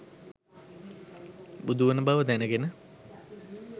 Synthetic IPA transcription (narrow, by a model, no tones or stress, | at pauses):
bud̪uʋənəbaʋəd̪ænəɡenə